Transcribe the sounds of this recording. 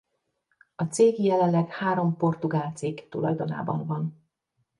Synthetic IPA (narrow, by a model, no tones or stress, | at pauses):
ɒt̪seːɡjɛlɛnlɛɡhaːɾo̞mpo̞rt̪uɡaːlt̪siːkt̪ulɒ̰jd̪o̞na̰ːbɒ̰ɱvɒn